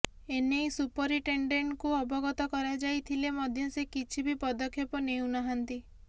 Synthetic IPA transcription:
enejsupɔɾiʈeɳɖeɳʈkuɔbɔɡɔt̪ɔkɔɾad͡ʒajt̪ʰilemɔd̪ʱjɔsekit͡ʃʰibipɔd̪ɔkʰːjepɔnew̃nɔɦant̪i

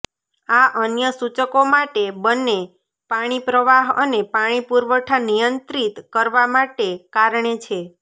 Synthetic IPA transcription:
aʔənjəsut͡ʃəkomaʈebənːe | paɽ̃ipɾəʋaɦənepaɽ̃ipuɾʋəʈʰanijənt̪ɾit̪kəɾʋamaʈekaɾɳet͡ʃʰe

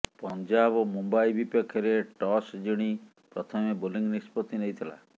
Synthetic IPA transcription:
pɔnd͡ʒabomumbaibipɔkʰːjɔɾeʈɔsd͡ʒiɽ̃i | pɾɔt̪ʰɔmeboliŋɡnispɔt̪ineɦit̪ʰila̰

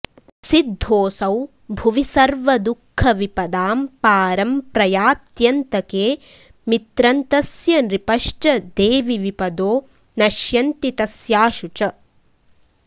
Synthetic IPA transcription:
sid̪ʱːoːsɐw | bʱuʋisɐɾʋɐd̪ukʰːɐʋipɐd̪aːmpaːɾɐmpɾɐjaːt̪jɐnt̪ɐkeː | mit̪ɾɐnt̪ɐsjɐnɾipɐʂʈɐd̪eːʋiʋipɐd̪oː | nɐʃjɐnt̪it̪ɐsjaːʃut͡ʃɐ

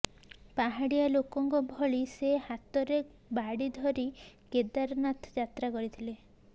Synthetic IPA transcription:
paɦaɽijalokɔŋkɔbʱɔɭisehat̪ɔɾe | baɽid̪ʱɔɾiked̪aɾnat̪d͡ʒat̪ɾakɔɾit̪ʰile

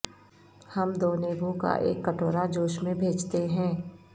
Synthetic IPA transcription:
hɐmd̪oːneːbũka̰ʔḛːkːəʈoːɾad͡ʒoːʃmẽbʱeːt͡ʃt̪eɦɛ̃ː

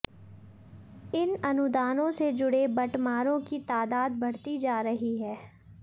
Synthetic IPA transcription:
ɪnɐnʊd̪aːnõsed͡ʒʊɽebɐʈmaːɾõkit̪aːd̪aːd̪̚bɐɽt̪id͡ʒaːɾɐɦiɦɛː

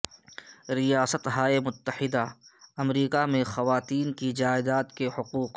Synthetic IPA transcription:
ɾijaːsət̪ɦaːemʊt̪ːəħɪd̪aɐmɾiːkamẽxɐʋaːt̪iːnkid͡ʒaːɪd̪aːt̪kehʊquːq

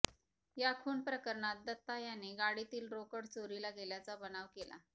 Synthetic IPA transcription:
jakʰuːɳpɾəkəɾɳat̪̚d̪ət̪ːajaneɡaɽit̪iːlɾokəɽt͡soɾilaɡeljat͡sabənaʋkela̰

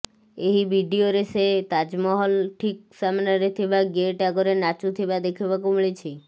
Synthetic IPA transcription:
eɦiʋiɖioɾeset̪ad͡ʒmɔɦɔlʈʰik̚samnaɾet̪ʰiʋaɡeʈaɡoɾenat͡ʃut̪ʰiʋad̪ekʰiʋakumɭit͡ʃʰi

